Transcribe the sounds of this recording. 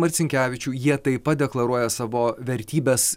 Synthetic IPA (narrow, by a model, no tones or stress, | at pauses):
mɐɾʲt̪sʲɪŋʲkʲæːʋʲɪt͡ʃʲuːjiɛt̪ɐɪpɐt̪̚d̪ʲɛklˠɐɾuɔjɛsɑːʋoːʋʲɛɾʲt̪ʲiːbʲɛs